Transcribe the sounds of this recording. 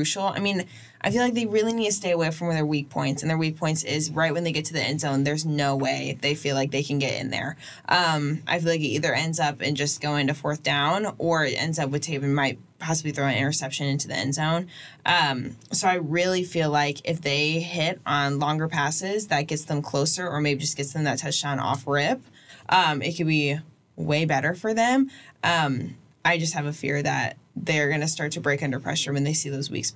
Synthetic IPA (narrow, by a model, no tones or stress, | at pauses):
ɹʉʃl̩ˠa̰ɪmĩn | ʔaɪfilaɪk̚ðeɪɹɪlˠinitʰɨsteɪəweɪfɹʌ̃mwəðə˞wik̚pʰɔ̃ɪ̃ntsn̩ðə˞wik̚pʰɔ̃ɪ̃ntsɪzɹaɪt̚wɨ̃nðeɪɡɛtʰɨðiʔɛ̰̃nzõʊ̃nðə˞znoʊweɪðeɪfilaɪk̚ðeɪkʰɨ̃n̩ɡɛɾɪ̰̃nðə̰˞ | ʔʌ̃mʔa̰ɪfilaɪkɨɾiðə˞ʔɛ̃ndzʌpɨ̰̃nd͡ʒʌsɡ̥oʊɪ̃ŋɪ̃ntɨfɔɹθd̥ãʊ̃nʔə˞ɪɾɛ̰̃ndzʌpwɨð̥tʰeɪbɨ̃nmaɪt̚pʰɑsəbliθɹoʊɨ̃nɪ̰̃ñə˞sɛpʃɨ̃nɪ̃ntʉðḭɛ̰̃ndzõʊ̃nʔʌ̃msoʊaɪɹɪlˠifilaɪkɪfðeɪhɪɾn̩lɔ̃ŋɡə˞pʰæsɪzðɨt̚ɡ̥ɛtsðə̃mkʰl̥oʊsə˞ə˞meɪbid͡ʒʌsɡ̥ɛtsðɨ̃mðɨtʰʌt͡ʃd̥ãʊ̃nɔ̰fɹɪp | ʔʌ̃mʔɪ̰t̚kɨd̚bi | weɪbɛɾə˞fə˞ðɨ̃mʔʌ̃m | ʔaɪd͡ʒʌst̚hɨvɨfɪ̰ɹðɨ̰t̪̚ðeɪə˞ɡʌnɨstɑɹtʰɨbɹeɪkʌ̃ndə˞pʰɹ̥ɛ̰ʃə˞wɨ̃nðeɪsiðoʊzwḭks